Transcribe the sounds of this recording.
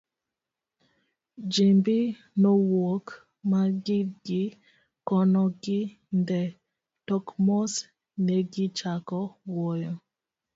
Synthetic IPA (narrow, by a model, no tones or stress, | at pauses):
d͡ʒembɪ | nɔwok | maɡɪɡɪ | kɔnɔɡɪ | ndɛ | tɔkmɔs | nɛɡɪt͡ʃakɔwɔjɔ